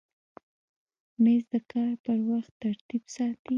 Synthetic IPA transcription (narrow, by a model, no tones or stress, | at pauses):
mezd̪əkɑɾpəɾwaxt̪ːaɾt̪ibsɑt̪i